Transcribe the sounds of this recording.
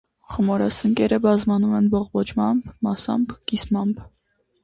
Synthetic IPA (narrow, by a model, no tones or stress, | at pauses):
χəmɔɾɑsəŋkʲɛɾəbɑzmɑnumɛnbɔʁbɔt͡ʃmɑmbmɑsɑ̰mbɡ̥ismɑmb